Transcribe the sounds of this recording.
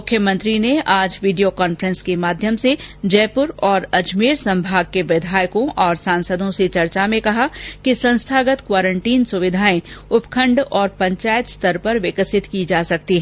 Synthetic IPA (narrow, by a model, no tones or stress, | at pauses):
mʊkʰːjəmə̃nt̪ɾineʔaːd͡ʒʋiːɖijokaːnfəɾə̃nskemaːd̪ʱjəmsed͡ʒɛːpʊɾɔːɾɐd͡ʒmeːɾsɐ̃mbʱaːɡ̚keʋɪd̪ʱaːjkõʔɔːɾsãːnsəd̪ʱõset͡ʃɐɾt͡ʃamẽkɐɦakisɐ̃nst̪ʰaːɡət̪kwaːɾə̃ɳʈiːnsʊʋɪd̪ʱaːẽʊpkʰə̃ɳɖɔːɾpɐ̃ɲt͡ʃaːjət̪st̪ɐɾpɐɾʋɪkəsɪt̪kid͡ʒaːsɐk̚t̪iɦɛː